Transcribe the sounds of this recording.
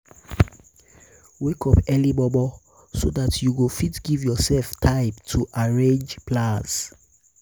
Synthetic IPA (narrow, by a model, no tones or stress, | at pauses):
wekʰɔpɛlimɔbɔ | sodatʰjuwufitɡ̥ivjɔsɛlftʰaɪbtʰuʔaɹẽnd͡ʒplãs